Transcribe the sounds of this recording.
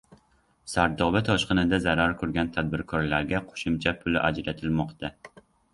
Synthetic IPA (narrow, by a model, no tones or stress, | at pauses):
sæɾd̪ɒbɪt̪ʰɒʃqənɨd̪ɛzæɾɑɾkʰʊɾɡʲɛnt̪ʰæd̪̚bɪɾkʰɒɾlæɾɡʲɛqʰo̥ʃʊmt͡ʃʰɛpʰʊlɪʔæ̰d͡ʒɾæt̪ʰɪlmɒqt̪a